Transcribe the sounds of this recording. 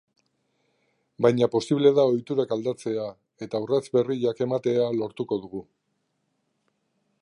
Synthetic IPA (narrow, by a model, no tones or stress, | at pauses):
bajɲapo̞siβle̞ðao̞jt̪uɾakald̪at͡se̞a | e̞t̪awrat͡sbe̞riʎake̞mat̪e̞alo̞ɾt̪uko̞ðuɣu